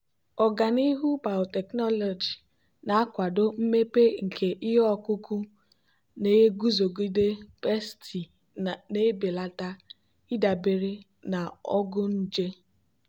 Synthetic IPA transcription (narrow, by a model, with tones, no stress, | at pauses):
ɔ˨ɡa˨ni˦ɦu˦ba˨ɔ˨tɛ˨knɔ˦lɔ˨d͡ʒi˨ | na˨a˦kʷa˨do˦m̩˦me˦pe˦ŋ̩˨kʰe˨ʔi˦ɦɔ˦kʊ˦kʊ˦ | ne˨˦ɡu˦zo˨ɡi˦de˦pe˦sti˨ | ne˦be˨la˦ta˦ | i˦da˨be˨ɾe˦ | na˨ɔ˦ɡʊ˦n̩˦d͡ʒe˦